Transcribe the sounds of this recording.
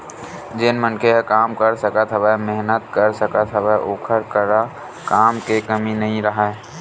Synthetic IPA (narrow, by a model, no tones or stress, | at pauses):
d͡ʒɪnmənkʰeɦkaːmkəɾsəkət̪ɦəbamɪɦnət̪̚kəɾsəkət̪ɦəbaʔoːkʰəɾkəɾa | kaːmkekəminɐɦĩɾɐɦaɛ